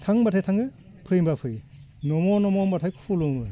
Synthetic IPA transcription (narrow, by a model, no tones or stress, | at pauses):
tʰaŋbatʰajtʰaŋɯ | pʰɯjmbapʰɯjnɔmɔnɔmɔmbatʰajkʰuluŋbɯ